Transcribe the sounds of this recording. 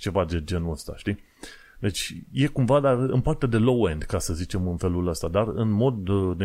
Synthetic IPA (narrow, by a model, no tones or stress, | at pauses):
t͡ʃe̞vad̪e̞d͡ʒe̞nuəst̪a̰ʃt̪i | d̪e̞t͡ʃʲje̞kumvad̪arɨnpart̪ed̪e̞lo̞wend̪kasəzit͡ʃe̞mɨnfe̞luləst̪ad̪arɨnmo̞d̪ne